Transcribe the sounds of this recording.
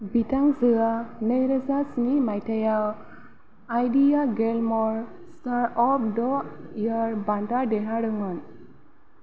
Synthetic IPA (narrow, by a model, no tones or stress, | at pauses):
bitaŋzɯanəjɾəzasnimajtʰajaw | ajdijaɡelmɔɹ | saɹɔp̚dɔijɔɹbaɳdadɛɦaɽɯŋɔn